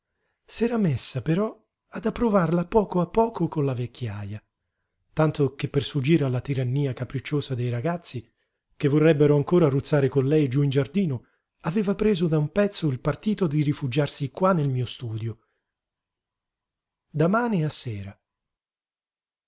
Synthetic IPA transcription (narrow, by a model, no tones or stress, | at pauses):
sɛːɾamesːapeɾɔ | ad̪apːɾovarlapːɔːkoapːɔːkokonlavekːjaja | t̪ant̪okepːersfud͡ʒiːɾalːat̪iɾanːiːakapɾit͡ʃːoːzad̪ejɾaɡat̪sːi | kevːorːɛbːeɾoaŋkoːɾarut̪sːaːɾekonlɛjd͡ʒuind͡ʒard̪iːno | aveːvapɾeːzod̪aumpɛt̪sːoilpart̪iːt̪od̪iɾifud͡ʒarsikwanːelmiːost̪uːd̪jo | d̪amaːniasːɛːɾa